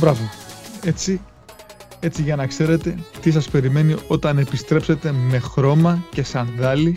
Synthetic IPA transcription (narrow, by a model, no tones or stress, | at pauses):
bɾɐvie̞t͡si | e̞t͡siʝɐnɐkse̞ɾe̞t̪e̞t̪isɐspe̞ɾime̞nio̞t̪ɐne̞pist̪ɾe̞pse̞t̪e̞me̞xɾo̞mɐce̞sɐnðɐli